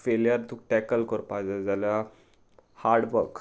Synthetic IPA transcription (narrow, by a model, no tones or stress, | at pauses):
feljəɾt̪uk̚ʈɛkəlkəɾpajd͡zad͡zalja | haɾɽʋəɾk